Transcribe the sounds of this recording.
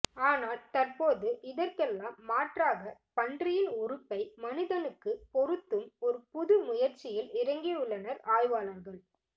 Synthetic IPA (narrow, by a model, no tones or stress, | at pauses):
aːnaːlt̪ɐrpoːðɯʔɪðɐrkɛlːaːmːaːʈraːɣɐpɐndrɪjɪlɔɾɯpːɐɪmɐnɪðɐnɯkːɯpɔɾɯt̪ːɯmɔɾɯpʊðɯmʊjɐɾt͡ʃːɪjɪlɪɾɐŋɡiɯɭːɐnɐɾaːjʋaːlɐɾɣɐɭ